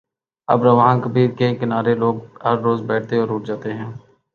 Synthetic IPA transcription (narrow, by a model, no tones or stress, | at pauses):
ɐ̰bɾəʋɦãːkəbiːɾkekɪnaːɾeloːɡ̚ɦəɾːoːzbɛːʈ̚ʰt̪eɔːɾʊːʈ̚ʰd͡ʒaːt̪eɦɛ̃ː